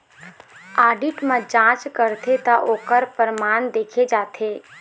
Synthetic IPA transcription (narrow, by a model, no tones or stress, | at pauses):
aːɖɪʈmãd͡ʒãːt͡ʃkəɾt̪ʰet̪aʔoːkəɾpəɾəmaːnd̪eːkʰed͡ʒaːt̪ʰeː